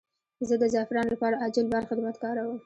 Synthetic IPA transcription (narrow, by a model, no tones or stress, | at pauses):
zəd̪əzɑfɪɾɑnlapɑɾaʔad͡ʒɪlbaɾxad̪əbad̪kɑɾawəm